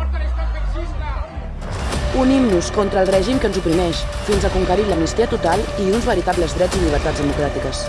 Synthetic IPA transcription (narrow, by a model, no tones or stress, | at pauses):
unimnuskɔnt̪ɾəːlˠrɛʒimkənzupɾimɛʃfinzəkuŋkəɾiləmnist̪iət̪ut̪alˠiunzβəɾit̪abləzðɾɛd͡ziliβ̞əɾt̪ad͡zðəmukɾat̪ikəs